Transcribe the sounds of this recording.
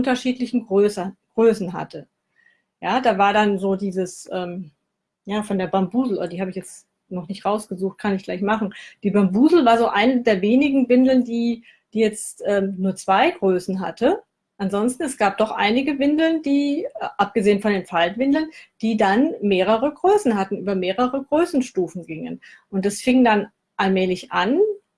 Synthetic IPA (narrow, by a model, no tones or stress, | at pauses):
ʔʊntɐʃiːtlɪçn̩ɡʁøːsɡ̥ʁøːsn̩ɦa̰tʰə | jaːdaːvaːɐdanzoːdiːzəsʔɛːm | jaːfɔndeːɐbambuːzl̩ʔo̰ːdɐdiːhaːbɪçjɛt͡st | nɔχnɪçtʁaʊsɡ̥əzuːxt̚kʰanɪçɡ̥laɪçmaχn̩d̥iːbambuːzl̩vaːɐzoːʔaɪnədeːɐveːnɪɡŋ̩vɪndl̩ndiː | d̥iːjɛt͡stʔɛːmnuːɐt͡sv̥aɪɡʁøːsn̩ɦa̰tʰə | ʔanzɔnstn̩ɛsɡ̥aːp̚d̥ɔχʔa̰ɪnɪɡəvɪndl̩ndiːʔap̚ɡ̥əzeːənfɔndeːnfaltv̥ɪndl̩nd̥iːdanmeːʁ̞əʁəɡʁøːsn̩hatn̩ʔyːbɐmeːʁəʁəɡʁøːsn̩ʃtuːfn̩ɡɪŋən | ʔʊnt̚d̥asfɪŋdan | ʔalmɛːlɪçʔan